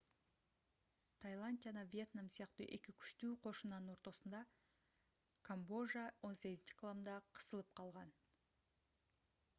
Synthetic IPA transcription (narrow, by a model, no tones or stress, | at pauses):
t̪ʰajlˠanʲd̪ʲijad̪ɑvije̞t̪namsijɑqt̪əʔekʲɪkʲʰʏ̥ʃt̪uqʰo̞ʃənɑnnwo̞ɾt̪osənd̪ɑ | kʰambo̞ʒɑwo̞nseɡʲzɪnt͡ʃʃʰɪ̥kʰlˠamd̪ɑqʰə̥səlˠəp̚qʰɑlˠʁɑn